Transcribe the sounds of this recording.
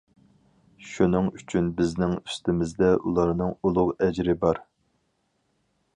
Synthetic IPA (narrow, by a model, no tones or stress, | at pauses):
ʃunɨŋyt͡ʃʰynbɪznɪŋy̥st̪ɪmɪzd̪ɛʔulˠɑɾnɨŋulˠʊʁɛd͡ʒɾɪbɑɾ